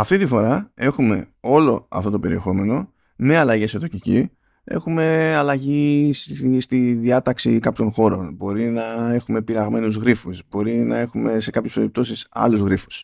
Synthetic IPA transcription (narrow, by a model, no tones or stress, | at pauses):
ɐft̪it̪ifo̞ɾɐe̞xume̞̰o̞lo̞ɐ̰ft̪o̞t̪o̞pe̞ɾie̞xo̞me̞no̞ | meɐlɐʝesot̪ocicḭ | e̞̰xume̞ɐlɐʝisst̪iðiɐt̪ɐksḭkɐpçonxo̞ɾo̞nbo̞ɾinɐe̞xume̞piɾɐɣme̞nuzɣɾifusbo̞ɾinɐe̞xume̞se̞kɐpçe̞spe̞ɾip̚t̪o̞sisɐ̰luzɣɾifu̥s